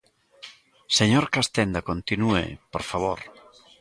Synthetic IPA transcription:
seɲoɾkast̪end̪akont̪inuḛpoɾfaβ̞oɾ

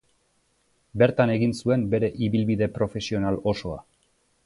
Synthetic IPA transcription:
be̞ɾt̪ane̞ɣinsue̞mbe̞ɾe̞ʔiβilβiðe̞pɾo̞fe̞sio̞nalo̞so̞a̰

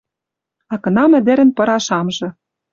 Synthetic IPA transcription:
ɑkɤ̆nɑmæ̆d̪ĕɾɘ̆npɤ̆ɾɑʃɑmʒɤ̆

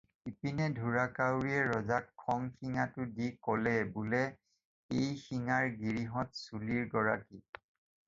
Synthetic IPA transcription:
ipinɛdʱuɹakawɹiɛɹɔzakʰːɔŋxiŋatʊdikɔlɛbulɛ | ejxiŋaɹɡiɹiɦɔtsuliɹɡɔɹaki

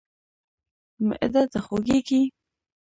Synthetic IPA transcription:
mɪ̰ʔd̪at̪axoɡeɡi

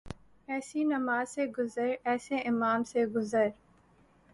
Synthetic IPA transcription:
ɛːsinɐmaːzseɡʊzəɾɛːseʔɪmaːmseɡʊzəɾ

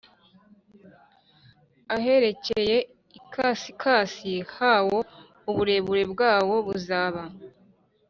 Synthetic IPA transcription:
aɦe̞ɾe̞ceje̞ | ikʰasikʰaːsihawo̞ | uβuɾe̞ːβuɾe̞bɡaːwo̞βuzaːβa

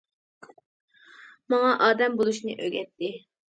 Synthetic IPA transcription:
mɑŋɑʔɑːd̪ɛmbolˠuʃnɨ̰ʔø̰ɡʲɛt̪ːɪ

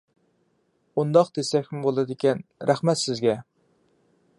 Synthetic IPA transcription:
und̪ɑqd̪esɛkʲmɪbolˠɨd̪ɪkʲɛnɾʔæχmɛt̪sɪzɡʲɛ

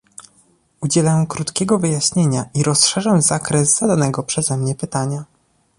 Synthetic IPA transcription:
ud͡ʑɛlɛmkɾut̪kʲɛɡɔvɘjaɕɲeɲaʔiɾɔstʂɛʐamzakɾɛzz̥ad̪anɛɡɔpʂɛzɛmɲɛpɘt̪aɲa

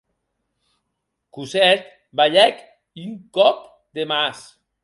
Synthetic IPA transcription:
kusɛt̪ | baʎɛk | yŋkɔp̚ | d̪emas

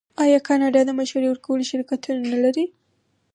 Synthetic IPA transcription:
ɑjɑkɑnɑɖɑd̪əmaʃaɾewəɾkawəloʃɪlkat̪unanalaɾi

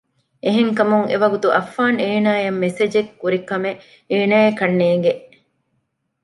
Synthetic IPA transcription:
ʔeɦeŋkɐmuŋḛʋɐɡut̪uʔɐfːaːneːnaːjɐmːesed͡ʒekːuɾikɐme | eːnaːekɐnːeːŋ̆ɡeʔ

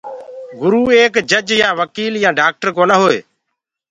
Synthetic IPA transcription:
ɡʊɾuːeːkd͡ʒəd͡ʒjãːʋəkiːljãːɖaːk̚ʈəɾkoːnaɦoːḛː

